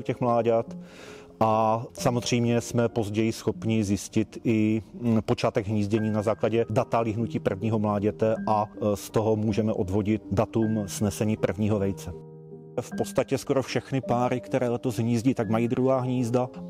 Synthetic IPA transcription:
ucɛxmlaːɟɛt̪ | ʔasamozr̝ɛjmɲɛsmɛpo̞zɟɛjɪsxo̞pɲɪzjɪscɪt̪ɪpo̞t͡ʃaːt̪ɛɡɦɲiːzɟɛɲiːnazaːklaɟɛdat̪alɪɦnuciːpr̩vɲiːɦo̞mlaːɟɛt̪ɛʔast̪o̞ɦo̞muːʒɛmɛʔo̞dvo̞ɟɪt̪̚dat̪umz̥nɛsɛɲiːpr̩vɲiːɦo̞vɛjt͡sɛ | fpo̞tst̪acɛsko̞ɾo̞fʃɛxnɪpaːɾɪkt̪ɛɾɛːlɛt̪ozɦɲiːzɟit̪aɡmajiːd̪ɾuɦaːɦɲiːzda

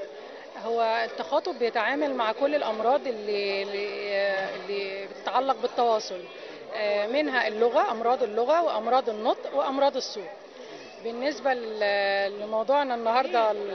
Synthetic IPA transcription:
howːæt̪ːɑxɑːt̪ˤobejet̪ʕaːmælmaʕkolːelʔɑmɾˤɑːd̪ˤʔelːi | elːibet̪e̥t̪ʕalːɑq̚bet̪ːɑwɑːsˤol | menɦæʔelːoɣæʔɑmɾˤɑːd̪ˤelːoɣæweʔɑmɾˤɑːd̪ˤenːot̪ˤʔweʔɑmɾˤɑːd̪ˤesˤːuːʕ | benːesbæ | lemɑwd̪ˤuːʕnnːɑɦɑɾˤd̪ˤɑ

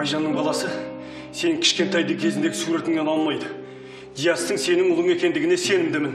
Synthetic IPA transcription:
ɑjʒɑnːəɴbɑlˠɑsə | se̞nɪŋkʲʰɪ̥ʃkʲe̞nt̪ʰɑjd̪əkʲʰe̞zɪnd̪eɡɪsuɾe̞t̪ɪmnenɑlˠmɑjd̪ə | d̪̥ijɑst̪əŋse̞nɪŋʊlˠəŋe̞kʲe̞nd̪ɪɡʲɪne̞se̞nɪmd̪ɪmɪn

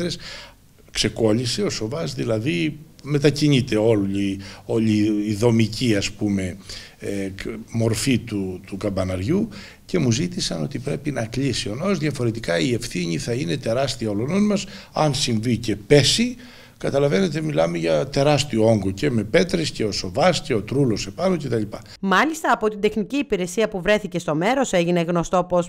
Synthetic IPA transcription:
ɾes | kse̞ko̞ʎise̞o̞so̞vɐzðilɐðime̞t̪ɐciɲit̪e̞o̞lio̞ʎiːðo̞miciɐspume̞ | mo̞ɾfit̪ut̪ukɐbɐnɐɾʝu | ce̞muzit̪isɐno̞t̪ipɾe̞pinɐklisio̞noozðʝɐfo̞ɾe̞t̪ikɐie̞fθiɲiθɐine̞t̪e̞ɾɐst̪iɐo̞lono̞nmɐsɐnsiɱvice̞pe̞si | kɐt̪ɐlɐve̞ne̞t̪e̞milɐmeʝɐt̪e̞ɾɐst̪ioo̞ŋɡoce̞me̞pe̞t̪ɾesce̞o̞so̞vɐsce̞o̞t̪ɾulo̞sepɐnoce̞t̪ɐʎipɐ | mɐlist̪ɐːpo̞t̪ind̪e̞xniciːpiɾe̞siɐpuvɾe̞θice̞st̪o̞me̞ɾo̞seʝine̞ɣno̞st̪o̞pos

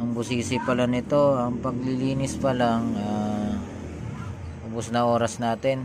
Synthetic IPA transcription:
ʔɐŋbʊsiːsɪpɐlanɪt̪o̞ɐŋpɐɡ̚lɪliːnɪspɐlaŋa | ʔʊbʊsnɐʔo̞ːɾɐsnaːt̪ɪn

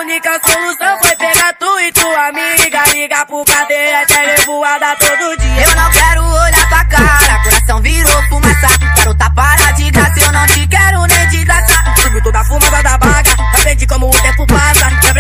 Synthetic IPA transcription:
nikɐskõluzɐ̃w̃fojpeɡat̪uɪt̪uamiɡaliɡapʊpad̪eɾat̪ɛɾebuad̪at̪od̪ʊd͡ʒiɐewnɐ̃w̃kɛɾʊoʎasakaɾakoɾasɐ̃w̃viɾokumazsakɛɾʊt̪apaɾad͡ʒid̪asiewnɐ̃w̃t͡ʃikɛɾʊned͡ʒid̪asa | subɾut̪od̪afumɐzãd̪abaɡɐafẽt͡ʃɪkõmʊũt̪ẽpupasɐ | ɛ̃b

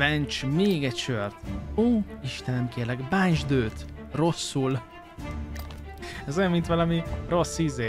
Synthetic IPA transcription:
vɛnt͡ʃmeːɡɛcʃørt̪oːiʃt̪ɛnɛmkeːrlɛɡband͡ʒd̪øːt̪ | ro̞sːul | ɛzojɛmint̪ʋɒlɒmiro̞sːizeː

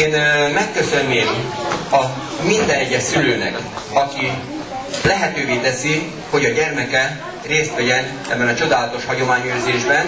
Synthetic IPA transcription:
eːnmɛkːø̞sø̞nːeːmɒ | mind̪ɛnɛɟɛsyløːnɛ̰k | ɒki | lɛɦɛt̪øːveːt̪ɛsi | ho̞ɟɒɟɛrmɛkɛ | reːst̪ʋɛɟɛn | ɛbːɛnɒt͡ʃo̞d̪aːlɒt̪o̞ʃhɒɟo̞maːɲøːzeːʒbɛn

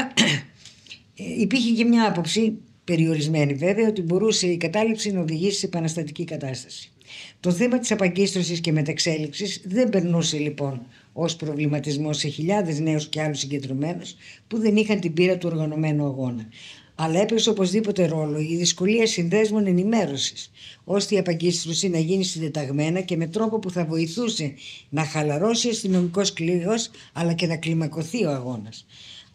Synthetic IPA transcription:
ipiçecɐmɲɐɐpo̞psi | pe̞ɾio̞ɾizme̞nive̞veɐo̞t̪ibo̞ɾuse̞ikɐt̪ɐlipsinɐo̞ðiʝisi̥sepɐnɐst̪ɐt̪icikɐt̪ɐst̪ɐ̥si̥ | t̪o̞θe̞mɐt̪i̥sɐpɐɲɟist̪ɾosisce̞me̞t̪ɐekse̞liksizðe̞mbe̞ɾnuse̞lipo̞n | o̞spɾo̞vlimɐt̪izmo̞se̞çiʎɐðe̞zne̞usce̞ɐlusiɲɟend̪ɾo̞me̞nospuðe̞nixɐnt̪ibiɾɐt̪uo̞ɾɣɐno̞me̞nuɐɣo̞nɐ | ɐlɐe̞peso̞po̞zðipo̞t̪e̞ɾo̞lo̞iðisko̞liɐsinðe̞zmone̞nime̞ɾo̞si̥so̞st̪eiɐpɐɟist̪ɾosinɐʝinisid̪et̪ɐɣme̞nɐce̞me̞t̪ɾo̞po̞puθɐvo̞iθuse̞nɐxɐlɐɾo̞siɐst̪ino̞miko̞sklios | ɐlɐce̞nɐklimɐko̞θio̞ɐɣo̞nɐs

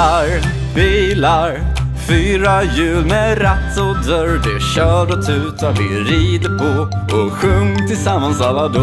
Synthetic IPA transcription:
aɾ | biːlaɾ | fyːɾajʉ̟ːlmɛɾɛt̪ːɔd̪œɾd̪ɛɕœːɖɔt̪ʰʉ̟ːt̪avɪɾiːd̪əpʰɔ | ɔɧɵŋt̪ʰɪlsamːansalːad̪

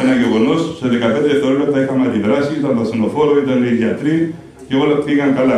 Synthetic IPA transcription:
enaʝeɣo̞nosseðekapet̪eɾet̪oɾoɾɐt̪ɐixɐmɐt̪iðɾɐsiit̪ɐnt̪ɐsinofoɾoit̪ɐneiðjat̪ɾi | ceolɐpiɣɐŋkala

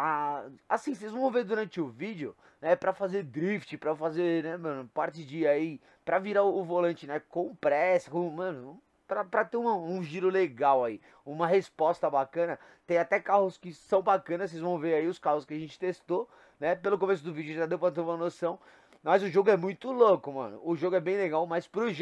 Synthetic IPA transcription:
aasĩsejzvɐ̃w̃veɾd̪uɾɐ̃nt͡ʃɪʊvid͡ʒɪʊ | nɛpɾɐfazeɾd̪ɾift͡ʃɪpɾɐfazeɾnɛmɐ̃nʊpaɾt͡ʃɪd͡ʒɪai | pɾɐviɾaʊʊvolɐ̃nt͡ʃɪnɛkõpɾɛsɐ̥kõmɐ̃nʊ | pɾɐpɾɐt̪eɾũmɐũʒiɾʊleɡawai | ũmɐɦespɔst̪ɐbakɐ̃nɐ | t̪ẽj̃at̪ɛkahʊskɪsɐ̃w̃bakɐ̃nɐss̬ejzvɐ̃w̃veɾaiʊskahʊskɪaʒẽnt͡ʃɪ̥t̪est̪o | nɛpelʊkõmes̬ʊd̪ʊvid͡ʒʊʒad̪ewpɾɐt̪ẽũmɐnosɐ̃w̃ | mɐzʊʒoɡʊɛmũj̃t̪ʊlokʊmɐ̰̃nʊ̰ʊʒoɡʊɛbẽj̃leɡawmajspɾʊʒ

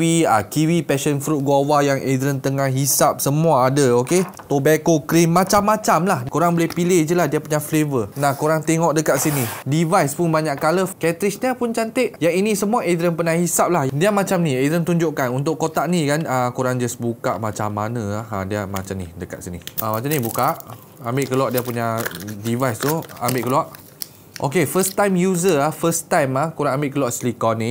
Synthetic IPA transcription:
iakiwipɛʃənfɾut̪̚ɡuawajaŋʔed̪ɾənt̪əŋahɦisap̚səmuaːdəoke | t̪obakokɾimːãt͡ʃamːãt͡ʃamlahkuɾaŋbolɛhpilɪhd͡ʒəlahdiapuɲaflevənahkuɾaŋt̪ɛŋɔʔdəkat̪̚sinidivajspʊnbaɲaʔkaləkɛt̪ɾisniapʊnt͡ʃant̪ɪʔjaŋinĩsəmuaʔed̪ɾənpənahhisap̚lahdiamat͡ʃamnied̪ɾənt̪uɲd͡ʒʊʔkanunt̪ʊʔkot̪aʔnikanəkuɾaŋd͡ʒasbuka̰ʔmat͡ʃamːanə̃ahədiama̰t͡ʃamnidəka̰t̪̚siniəmat͡ʃanibukaʔ | ambɪʔkəluaʔdiapuɲadivajst̪ua̰mbɪʔkəluaʔ | ʔo̰kefəst̪ajmjuzəafəst̪ajmahkuɾaŋambɪʔkəluaʔslikɔni

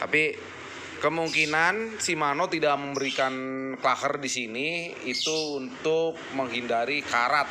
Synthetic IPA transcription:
t̪api | kəmuŋkinansimanot̪idaʔməmbəɾikanklahərdisini | it̪uːnt̪ʊk̚məŋɦindaɾikaɾat̪̚

